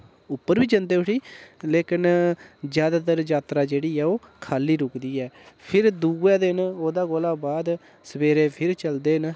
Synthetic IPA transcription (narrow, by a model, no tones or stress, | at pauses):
ʊpːəɾbiːt͡ʃənd̪eːʊʈʰiːleːkɪnd͡ʒjaːd̪aːt̪əɾd͡ʒaːt̪ɾaːd͡ʒeːɽiːɛːoːkʰaːliːɾʊkd̪iːɛːpʰɪɾd̪uːɛːd̪ɪnoːd̪aːɡoːlaːbaːd̪ | səbeːɾeːpʰɪɾt͡ʃəld̪eːn